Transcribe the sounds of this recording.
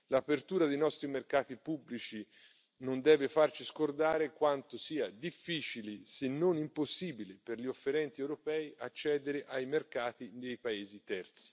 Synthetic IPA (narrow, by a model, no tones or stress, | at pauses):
lapert̪uːɾad̪ejnɔst̪ɾimerkaːt̪ipubːlit͡ʃi | nond̪ɛːvefart͡ʃiskord̪aːɾekwant̪osiːad̪ifːiːt͡ʃilisenːonimposːiːbileperʎiofːeɾɛnt̪iɛwɾopɛːjʔat͡ʃːɛːd̪eɾeʔajmerkaːt̪id̪ejpaeːzit̪ɛrt̪si̥